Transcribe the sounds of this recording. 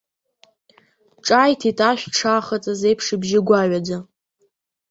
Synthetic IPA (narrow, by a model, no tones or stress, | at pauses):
ʈ͡ʂʼajtʰitʰʼaʃʷᶣʈ͡ʂʰaχat͡sʼazejpʰʂɨbʒɪɡʷaɥʷad͡za